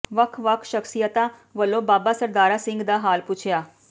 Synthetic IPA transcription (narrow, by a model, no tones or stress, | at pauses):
ʋəkʰʋəkʰʃəksijət̪ãː | ʋəlõːbaːbaːsəɾd̪aːɾaːsɪ̃ŋɡd̪aːɦaːlpʊt͡ʃʰjaː